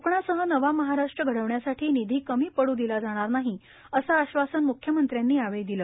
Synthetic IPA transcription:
əpɳasəɦənəʋaməɦaɾaʂʈɾəɡʱəɽəʋɳjasaʈʰiːnid̪ʱiːkəmiːpəɽuːd̪ilad͡zaɽ̃aɾnaɦi | əsaːɕʋasənmukʰjəmənt̪ɾjanːiːaʋejd̪iləː

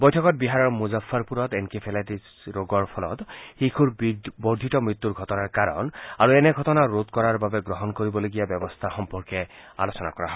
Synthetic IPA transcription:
bɔjtʰɔkɔt̚biɦaɹɔɹmuzafːaɹpuɹɔtɛnkipʰɛlatis | ɹoɡɔɹpʰɔlɔ̰txikʰuɹbɔɹd̪ʱitɔmɹit̪ːuɹɡʱɔtɔnaɹkaɹɔ̰naɹuɛnɛɡʱɔtɔnaɹot̪kɔɹaɹbabɛɡɹɔɦɔnkoɹibɔloɡijabɛbɔst̪ʰaxɔmpɔɹkɛa̰losɔna̰kɔɹa̰ɦɔ

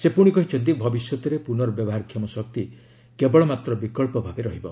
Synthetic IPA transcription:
sepuɽ̃ikɔɦit͡ʃʰɔnt̪ibʱɔbisjɔt̪ɔɾepunɔɾɔbjɔbɔɦaɾkʰjɔmɔsɔk̚t̪i | kebɔɭɔmat̪ɾɔbikɔɭpɔbʱabeɾɔɦibɔ̰

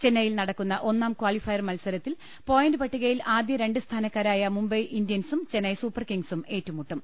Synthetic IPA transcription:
t͡ɕenːɐjilnɐɽɐkːunːɐʔo̞nːaːmkwaːɭifɐjɐrmɐlsɐɾɐt̪ːil | po̞ːjɐndɨpɐʈːiɣɐjilaːd̪jɐɾe̞ɳɖɨst̪ʰaːnɐkːaːɾaːjɐmumbɐjʔindjɐnsumt͡ɕenːɐjsuːpːɐrkiŋɡsume̞ːtːumuʈːum

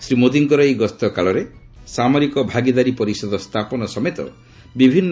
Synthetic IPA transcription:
sɾimod̪iŋkɔɾɔeɡɔst̪ɔkaɭɔɾe | samɔɾikɔbʱaɡid̪aɾipɔɾisɔd̪ʱɔst̪ʰapɔnɔsɔmet̪ɔ̰ | bibʱinː

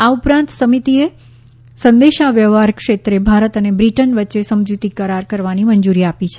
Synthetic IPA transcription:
aupɾãnt̪səmit̪ie | sənd̪eʃaʋjəʋaɾkʂet̪ɾebʱaɾət̪ənebɾiʈənʋətːʃesəmd͡ʒut̪ikəɾaɾkəɾʋaniməɲd͡ʒuɾiapit͡ʃʰe

